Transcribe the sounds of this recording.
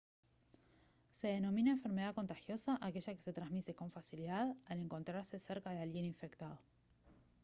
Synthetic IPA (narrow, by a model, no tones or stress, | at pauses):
se̞ð̞enõ̞mĩnaeɱfe̞ɾme̞ðako̞nt̪axjo̞saʔakeʒakese̞t̪ɾanzmit̪e̞ko̞ɱfasiliðaðale̞ŋko̞nt̪ɾaɾse̞seɾkaðealɣjeniɱfe̞kt̪að̞o